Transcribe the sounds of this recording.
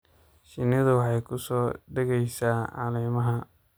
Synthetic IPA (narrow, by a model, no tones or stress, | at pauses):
ʃɪnɐðʊwɑħɑjkʰʊsɔːɖɐɣɛjsaːʕɑ̰lɛːmɐɦɐ